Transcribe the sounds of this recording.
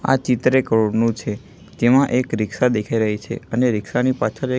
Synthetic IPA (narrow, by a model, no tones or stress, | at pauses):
a̰t͡ʃɪt̪ɾekəɾoɽnũt͡ʃʰe | d͡ʒemãʔekɾɪksad̪ekʰaiɾəɦit͡ʃʰḛəneɾɪksanipat͡ʃʰəɾe